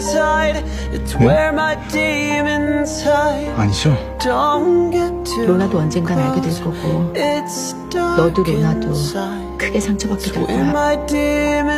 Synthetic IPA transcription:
saɪɾ | ɪtswɛ˞maɪdimɪ̃nsaɪ̥aɲid͡ʑo | d̥onɡ̥ɛɾonadoʌnd͡ʑenɡanaɭɡedweɭk͈ʌɡoɪts | d̥nʌduɡenado | kʰɯɡe̞sʰaŋt͡ɕʰʌbakk͈edekojaaɪdim

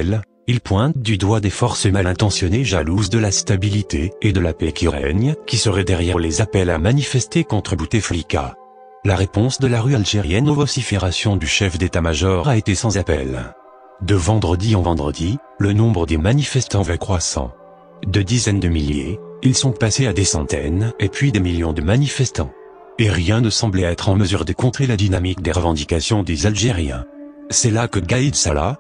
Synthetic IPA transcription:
l | ilpwɛ̃t̪̚d̪yd̪wad̪efɔʁsəmalɛ̃t̪ɑ̃sjɔneʒaluzd̪əlast̪abilit̪eed̪əlapɛkʲiʁɛ̰ɲkʲisəʁɛd̪ɛʁjɛʁlezapɛlamanifɛst̪ekɔ̃t̪χəbut̪efɔlika̰ | laʁepɔ̃sd̪əlaʁyalʒeʁjɛnɔvɔsifeʁasjɔ̃d̪yʃɛfd̪et̪amaʒɔʁʁaet̪esɑ̃zapɛ̰l | d̪əvɑ̃d̪ʁəd̪iɑ̃vɑ̃d̪ʁə̰d̪i | lənɔ̃bʁəd̪emanifɛst̪ɑ̃vɛkχwasɑ̰̃ | d̪əd̪izɛnd̪əmiljḛilsɔ̃pasead̪esɑ̰̃t̪ɛ̰nepɥid̪emiljɔ̃d̪əmanifɛst̪ɑ̰̃ | eʁjɛ̃nəsɑ̃blɛɛt̪χɑ̃məzyʁd̪əkɔ̃t̪χelad̪inamik̚d̪eʁəvɑ̃d̪ikasjɔ̃d̪ezalʒeʁjɛ̰̃sɛlakəɡaid̪sala̰

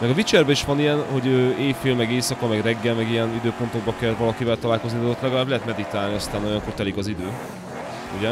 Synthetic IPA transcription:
mɛɡɒvit͡ʃɛrbɛiʃʋɒnijɛnho̞ɟøːeːfiːlmɛɡeːsɒkɒmɛɡrɛɡːɛlmɛɡijɛnid̪øːpo̞nt̪o̞ɡbɒkɛlvɒlɒkivɛlt̪ɒlaːlko̞znid̪od̪ot̪lɛɡɒlaːblɛɦɛt̪mɛd̪it̪aːlniɒst̪aːnːɔjɒŋkoːrt̪ɛlikɒzid̪øː | uɟɛ

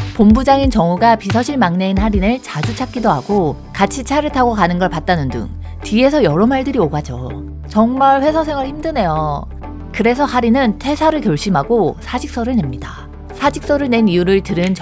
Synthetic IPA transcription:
pombud͡ʑaŋint͡ɕʌŋuɡapisʰʌɕʰiɭmaŋneinhaɾinɯɭt͡ɕad͡ʑut͡ɕʰak͈idoɦaɡo | kat͡ɕʰit͡ɕʰaɾɯɭtʰaɡokanɯnɡʌɭpat̚t͈anɯndɯ̰ŋ | tie̞sʰʌjʌɾʌmaɭdɯɾioɡad͡ʑo̰ | t͡ɕʌŋmaɭɸwe̞sʰʌsʰe̞ŋɯɭçimdɯne̞jo | kɯɾe̞sʰʌhaɾinɯntʰe̞sʰaɾɯɭkjʌɭɕ͈imɦaɡosʰad͡ʑik̚s͈ʌɾɯɭne̞mɲida | sʰad͡ʑik̚s͈ʌɾɯɭne̞nijuɾɯɭtɯɾɯnt͡ɕ

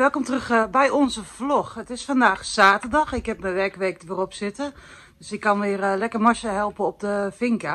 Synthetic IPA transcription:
ʋɛlˠkɔmtrøxbɛjɔnzəfloxətɪsfandaːxsaːtərdɑxɪkhɛp̚məʋɛrkʋeːk̚ʋɪrɔpsɪtə | døsɪkʰːɑnʋɪərlɛkərmɔʃəɦɛlˠpəɔp̚dəfɪŋkə

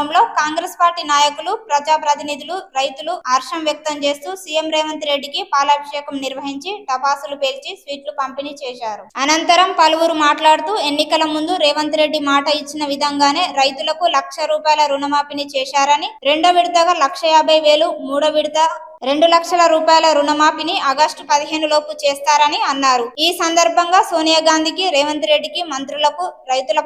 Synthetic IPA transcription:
ɐmlo̞ːkaːŋɡɾeːspaːɾʈiːnaːjɐkulupɾɐd͡ʒaːpɾɐt̪inid̪ʱuluɾɐjt̪uluɐɾʂɐmʋjɐk̚t̪ɐmt͡ʃe̞ːst̪uːsijemɾɛːʋɐnt̪iɾe̞ɖːikipaːlɐːbʱiʂɛːkɐmniɾʋɐɦiɲt͡ʃiʈɐpaːsulupeːlt͡ʃisʋiːʈlukɐmpeniːt͡ʃɛːʃaːɾuɐnɐnt̪ɐɾɐmpɐlɐʋuɾumaːʈlaːɽut̪uːe̞nːikɐlɐmund̪uɾɛːʋɐnt̪ɾe̞ɖːimaːʈɐit͡ʃːinɐʋid̪ʱɐŋɡaːne̞ːɾɐjt̪ulɐkulɐkʂɐɾuːpaːjlɐɾunɐmaːpiniːt͡ʃɛːʃaːɾɐniɾe̞ɳɖoːʋiɽud̪ɐɡɐlɐkʂɐjaːbʱɐjʋe̞ːlumuːɽɐʋiɽd̪ɐ | ɾe̞ɳɖulɐkʂɐlɐɾuːpaːjlɐɾunɐmaːpiniʔɐɡɐsʈpɐd̪iɦe̞ːnulo̞ːput͡ʃɛːst̪aːɾɐniɐnːaːɾuiːsɐnd̪ɐɾbʱɐŋɡaːsoːnijaːɡaːnd̪ʱikiɾɛːʋɐnt̪ɾe̞ɖːikimɐnt̪ɾulɐkuɾɐjt̪ulɐ

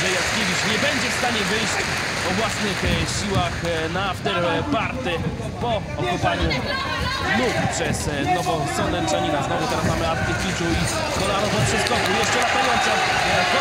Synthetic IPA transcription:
ʐɛjakʲevʲiʂɲɛbɛɲd͡ʑɛfst̪aɲɛvɘjɕt͡ɕ | pɔvwasnɘxɕiwaxnaft̪ɛɾpaɾt̪ɛ | pɔ | ɔkupaɲu | luppʂɛsnɔvɔsɔnd̪ɛnʂaɲinaznɔvɛt̪ɛɾasmamɘat̪t̪ːɪfʲitui | skɔɾɔanɔt̪ɔpʂɛskɔkujɛʂt͡ʂɛnat̪aɡɔnt̪sa

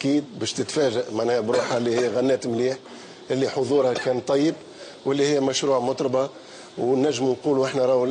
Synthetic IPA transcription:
ʔkiːd̪̚bɛːʃt̪ət̪fæːʒaʔmaʕnɛːhbɾuːħalːihɪjːɣænːɛːt̪mliːħ | ʔɪlːiħʊðˤuːɾhakɛːnt̪ˤːɑjːəb̚ | wɪlːihɪjːæmæʃɾuːʕmʊt̪ˤɾˤɑbɑ | wnːæʒːəmnquːluʔəħnæɾˤɑːw

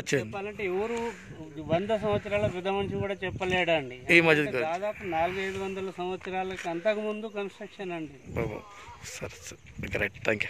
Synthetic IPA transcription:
ɐt͡ʃːeɛpːaːlɐɳʈeɛʋɐɾu | ʋɐnd̪ʱɐs̬ɐ̃mʋɐt̪sɐɾaːlɐɾud̪ʱɐmɐnɐsikuːɽaːt͡ʃɛpːɐlɛːɽɐɳɖiɐnimɐd͡ʒɐd̪kd̪aːd̪aːpunaːluɡɐɐjd̪uʋɐnd̪ɐlɐsɐmʋɐt̪sɐɾaːlɐkiɐnt̪ɐkimund̪ukɐnsʈɾɐkʂɐnɐɳɖibo̰bo̰ | sɐɾɐsɐ | ɡɾɐ̰jʈt̪ʰæːŋkju

